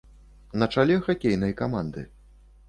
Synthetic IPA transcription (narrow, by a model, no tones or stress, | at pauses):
nɐt͡ʂalʲɛxakʲejn̪ɐjkamand̪ɨ̰